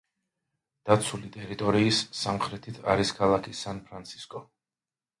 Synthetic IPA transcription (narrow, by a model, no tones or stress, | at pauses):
d̪̥at̪sʰulit̪ʼɛɾit̪ʼɔɾiːsːamχɾɛt̪ʰit̪ʰa̰ɾiskʰalˠakʰisanpʰɾant̪sʰi̥skʼɔ